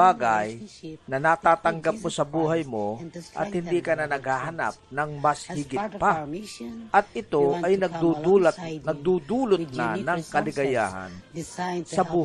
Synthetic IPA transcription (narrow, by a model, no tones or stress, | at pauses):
aːɡajnɐnaːt̪aːt̪ɐŋɡap̚mosɐbuːɦɐjmoʔɐ̰t̪̚hɪnd̪ikɐnanɐɡhaːɦɐna̰p̚nɐŋmɐshɪɡɪt̪̚pa | ʔɐt̪̚ɪt̪o̞ʔɐjnɐɡ̚d̪ut̪nɐɡ̚d̪ud̪uːlʊt̪̚na̰nɐŋkɐlɪɡɐja̰ːha̰nsɐbuː